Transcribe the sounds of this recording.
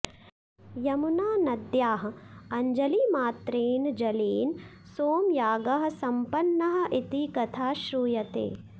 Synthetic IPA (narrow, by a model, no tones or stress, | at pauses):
jɐmunaːnɐd̪jaːɦɐɐɲd͡ʒɐlimaːt̪ɾeːnd͡ʒɐleːn | soːmjaːɡɐɦɐ̆sɐmpɐnːɐɦɐ̆ʔit̪ikɐt̪ʰaːʃɾuːjɐt̪ḛː